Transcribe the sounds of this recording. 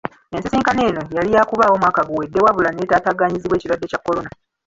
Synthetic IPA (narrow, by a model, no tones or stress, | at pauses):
e̞nsisiːŋkaneːno̞jalijakuβaːwo̞mwaːkaɡuwe̞dːewaβulanietaːtaɡaːɲiziβwe̞ːcilwadːe̞cakːo̞lo̞na